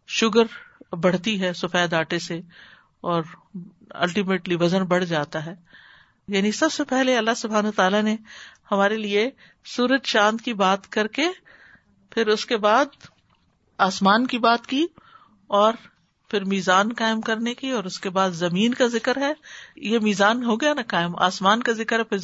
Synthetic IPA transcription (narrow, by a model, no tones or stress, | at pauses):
ʃʊɡəɾbɐɽ̤t̪iɦɛsʊfɛːd̪aːʈese | ɔːɾ | ɐ̰lʈimeːʈliʋɐzənbɐɽ̤d͡ʒaːt̪aɦɛː | jaːnisɐbsepɛɦleɐlːaɦsʊbʱɦaːnɦoːt̪aːlanehɐmaːɾelie | suːɾəd͡ʒʃãːnd̪kibaːt̪kɐɾke | pʰɪɾʊskebaːd̪̚ | aːsmaːnkibaːt̪kiː | ɔːɾ | pʰɪɾmiːzaːnkaːɪmkɐɾnekiɔːɾʊskebaːd̪zɐmiːnkazɪkəɾɦɛjemiːzaːnɦoːɡɐjanɐkaːɪma̰ːsmaːnkazɪkəɾɦɛpʰɪ